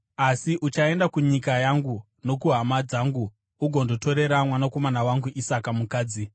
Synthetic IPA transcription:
asiʔut͡ʃae̞ndakuɲikajaŋɡu | no̞kuɦamad͡zaːŋɡuː | ɡʱo̞ndoto̞ɾe̞ɾamwanako̞manawaŋɡuʔisakamukaːd͡zi

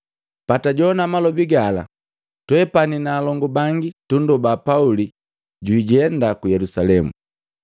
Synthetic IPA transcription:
pataɟɔnamalɔbiɡala̰ | twɛpaninaːlɔŋɡɔbaŋɡitundɔbapauli | ɟwiːɟɛndakujɛlusalɛmṵ

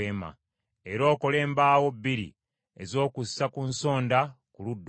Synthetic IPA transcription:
eːma̰ | eɾo̞ːko̞le̞ːmbaːwo̞bːiɾḭ | ezo̞ːkusːakunso̞ːndakuludː

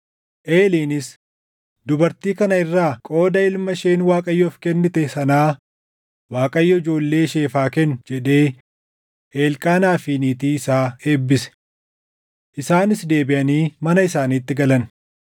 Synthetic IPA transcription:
ʔe̞ːliːnɪs | d̪ʊbɐɾt̪iːkɐnɐɪrːaːkʼo̞ːd̪ɐɪlmɐʃeːnwaːkʼɐjːɔfkɛnːɪt̪ɛsɐnaː | waːkʼɐjːɔɪd͡ʒo̞ːlːe̞ːʃeːfaːkɛnd͡ʒɛᶑe̞ː | eːlkʼaːnaːfiːniːt̪iːɪsaːe̞ːbːɪsɛ̥ | ʔɪsaːnɪsd̪e̞ːbɪʔɐniːmɐnɐɪsaːniːt̪ːɪɡɐlɐn

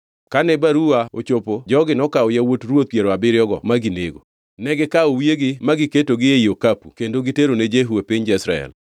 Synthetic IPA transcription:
kanɛbaɾuaot͡ʃopod͡ʒɔɡɪnɔkaojawotrwot̪̚pjeɾoabɪɾjɔɡɔ̰maɡineɡo̰ | nɛɡɪkaowjeɡɪmaɡɪketoɡɪjeiokapṵkendoɡɪteɾoned͡ʒeɦuepɪɲd͡ʒɪsɾaɛ̰l

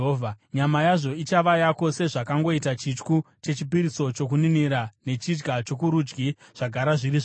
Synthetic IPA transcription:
vʱaɲamajaʐo̞it͡ʃaʋajako̞se̞ʐakaŋɡo̞itat͡ʃit͡ʃkut͡ʃe̞t͡ʃipiɾiso̞t͡ʃo̞k̬uniniɾane̞t͡ʃid͡ʒɡat͡ʃo̞kuɾud͡ʒɡiʐ̥aɡʱaɾaʐiɾiʐ

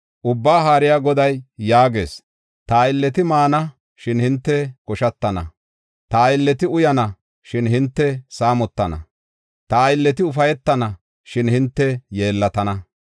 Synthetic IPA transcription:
ʔʊbːaːɦaːɾɪjaːɡɔd̪ɐjːaːɡe̞̰ːs | t̪ɐːjɪlːɛt̪ɪmaːnɐ | ʃɪnhɪnt̪ːɛkɔʃɐt̪ːɐnɐ̰ | t̪ɐːjɪlːɛt̪ɪʊjɐnɐ | ʃɪnhɪnt̪ːɛsaːmɔt̪ːɐnɐ̰ | t̪ɐjɪlːɛt̪ɪʊfɐjɛt̪ːɐnɐ | ʃɪnhɪnt̪ːɛjeːlːɐt̪ɐnɐ

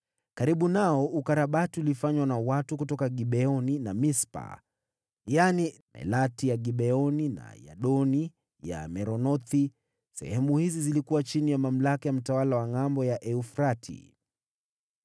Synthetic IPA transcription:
kaɾiɓunaɔʔukaɾaɓatiulifaɲwanawatukutɔkaɠiɓɛɔninamispa̰ | janimɛ̰latijaɡiɓɛɔnina̰ja̰ɗɔni | ja̰mɛɾɔnɔθi | sɛ̰hɛmuhizizilikuwat͡ʃinijamam̩lakajam̩tawalawaŋambɔjaʔɛufɾatʰḭ

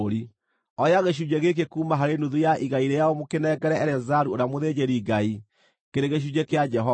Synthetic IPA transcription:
ɾi | ɔjaɣeɕ̬ud͡ʒeɣek̬ekuːmaɦaɾenuðujaʔiɣaiɾejaɔmokenɛɡɛɾɛɛɾɛzaɾuoɾamoðed͡ʑeɾiːɡai | keɾeɣeʃ̬ud͡ʒekead͡ʒɛɦɔ

